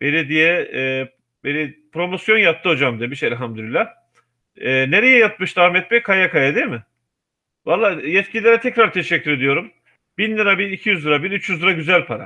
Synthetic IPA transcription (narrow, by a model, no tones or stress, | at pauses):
beɾid̪ijɛː | beɾipʰɾo̞mo̞sjo̞njat̪ːɯɦo̞d͡ʒamd̪ijɛbiʃɛlʲɦamd̪ylilʲːah | ɛːneɾejɛjat̪̚mɯʃd̪ahmɛt̪̚bɛkʰajakajad̪emɪ | valˠːaːjɛt̪̚cʰilʲilʲeɾɛt̪ʰɛcɾaɾt̪ʰeʃɛcʰːyɾe̞d̪ijo̞ɾum | binlɯɾabinicʰijyzlɯɾabinyt͡ʃjyzlɯɾaɟyzælʲpʰaɾa̰